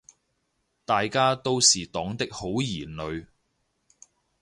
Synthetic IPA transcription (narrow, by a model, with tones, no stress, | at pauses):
t̪aː˨jkaː˥t̪o˥wsiː˨t̪ɔː˨˥ŋt̪ɪ˥k̚ho˨˥wjiː˨˩nlɵ˨ɥ